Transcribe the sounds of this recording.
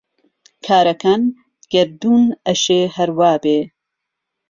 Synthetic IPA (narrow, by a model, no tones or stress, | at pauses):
kʰaːɾɐkaːn | ɡ̥ɐɾd̪uːnɐʃeːhɐɾwaːbeː